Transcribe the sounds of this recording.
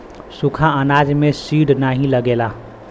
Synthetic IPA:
sukʰaənaːd͡ʒmẽsiːɽnaːɦĩləɡeːlaː

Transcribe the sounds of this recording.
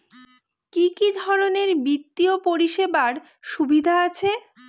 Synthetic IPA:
kikid̪ʱɔɾoneɾbɾit̪ːiopoɾiʃebaɾ | ʃubid̪ʱaat͡ɕʰe

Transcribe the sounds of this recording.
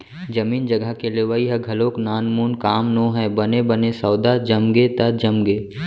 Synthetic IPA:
d͡ʒɐmiːnd͡ʒɐɡəkeleːʋaːiɦɛɡʱɐloːknaːnmuːnkaːmnõːɦɛbɐnebɐnesɐːd̪ad͡ʒɐmɡet̪ɐd͡ʒɐmɡeː

